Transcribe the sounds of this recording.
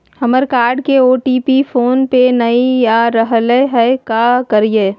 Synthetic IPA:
həməɾkaːɾɖkeoːʈiːpifʰoːnpenəijaɾəɦleɦɛkakəɾijeː

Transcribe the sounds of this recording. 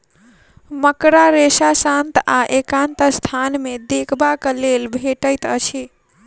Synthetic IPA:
məkɾaɾesasant̪aʔekãnt̪əst̪ʰanmed̪ekʰbaklelbʱeʈəjt̪ət͡ʃʰi

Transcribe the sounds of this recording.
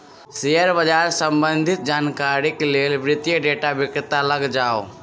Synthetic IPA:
sejəɾbəd͡ʒaːɾsəmbə̃nd̪ʱɪt̪̚d͡ʒaːnkaːɾikeleːlbɾɪt̪jəɖeːʈabɪkɾt̪aləɡd͡ʒaːo

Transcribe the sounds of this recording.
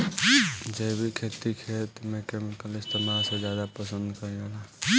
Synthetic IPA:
d͡ʒebʱikʰet̪ikʰet̪mẽkeːmɪkəlɪst̪emalsed͡ʒjaːd̪apəsə̃nd̪kəɾĩala

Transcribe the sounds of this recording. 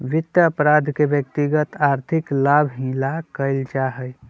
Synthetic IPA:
ʋɪt̪jəəpɾaːd̪ʱkeʋjək̚t̪iɡət̪aːɾt̪ʰɪklaːbʱɦĩːlakəɪld͡ʒaɦəj

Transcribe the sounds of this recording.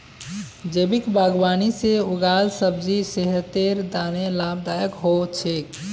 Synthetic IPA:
d͡ʒebikbaɡwaːniseuɡaːlsəbd͡ʒiseɦət̪eɾd̪aːnelabd̪aːjəkɦot͡ʃʰek

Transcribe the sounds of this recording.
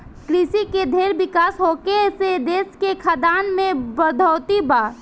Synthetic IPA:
kɾisiked̪ʱeːɾʋɪkaːsɦoːkesed̪eːskekʰad̪aːnmẽbəd̪ʱɔːt̪ibaː

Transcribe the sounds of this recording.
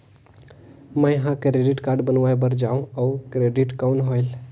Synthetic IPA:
məjɦãkɾeɖiʈkaɾɖbənʋajbəɾd͡ʒaũaukɾeɖiʈkawnɦojl

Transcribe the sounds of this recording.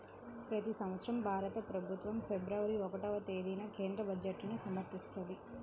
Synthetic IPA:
pɾɐt̪isɐmʋɐt̪sɾɐmbʱaːɾɐt̪ɐpɾɐbʱut̪ʋɐmpʰebɾɐʋɐɾiɔkɐʈɐʋɐt̪eːd̪inɐke̞ːnd̪ɾɐbɐd͡ʒeʈːnusɐmɐɾpist̪ɐnd̪i

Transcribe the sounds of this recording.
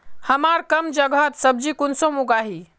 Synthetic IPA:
həmaɾkəmd͡ʒəɡət̪səb̚d͡ʒikunsõmuɡaɦi

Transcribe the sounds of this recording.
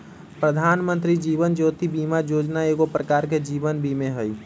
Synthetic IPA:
pɾəd̪ʱanmə̃nt̪ɾid͡ʒiβənd͡ʒoːt̪ibimajod͡ʒnaeːɡopɾəkaɾk̬ed͡ʒibənbʱimeɦəj

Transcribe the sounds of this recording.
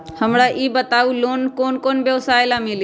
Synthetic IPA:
həmɽaʔiːbət̪aːuloːnkoːnkoːnbjəʋsaːɪlamɪli

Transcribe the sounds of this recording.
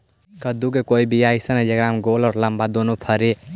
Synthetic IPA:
kəd̪ukekoibijaisəned͡ʒeɡɾamɡolɔːɾləmbad̪onopʰəɾe

